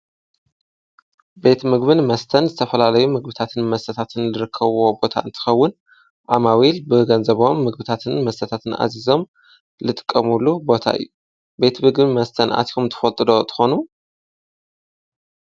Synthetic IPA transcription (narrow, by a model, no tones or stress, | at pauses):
be̞t̪mɨɡ̚βɨnmɐst̪ʰɐnzɨt̪ʰɐfɐlalɐjumɨɡ̚bɨt̪ʰat̪ʰɨnmɐst̪ʰɐt̪ʰat̪ʰɨnlɨɾɨkʰːɐβwo̞bo̞t̪ʰa̰ɨnt̪ʰɨ̥xɐwːʊn | ʔamawilbɨɡɐnzɐβo̞mːɨɡ̚bɨt̪ʰat̪ʰɨnmɐst̪ʰɐt̪ʰat̪ʰɨnʔa̰zizo̞m | lɨt̪ʼɨ̥kʼːɐmulːubo̞t̪ʰa̰ʔɨ̰jːu | be̞t̪mɨɡbɨmɐst̪ʰɐnʔa̰t̪ʰihumt̪ʰɨ̥fɐlt̪ʼɨd̪o̞t̪ʰɨ̥xo̞nu